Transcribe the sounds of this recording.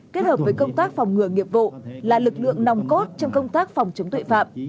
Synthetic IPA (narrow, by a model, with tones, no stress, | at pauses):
ke˦˥ət̚həː˨˩p̚vəː˨˦jkə˧wŋ͡mt̪aː˦˥k̚fa˨˩wŋ͡mŋɨ˨˩əŋi˨˩əp̚vo̰˧˨laː˨˩lɨ˨˩k̚lɨ̰˧˨əŋna˨˩wŋ͡mko˦˥t̚t͡ɕɔ˧wŋ͡mkə˧wŋ͡mt̪aː˦˥k̚fa˨˩wŋ͡mt͡ɕə˨˦ŋ͡mt̪wṵ˧˨fa̰ː˧˨m